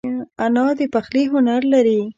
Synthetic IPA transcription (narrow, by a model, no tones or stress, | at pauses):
anɑd̪əpaxliɦʊnaɾlaɾi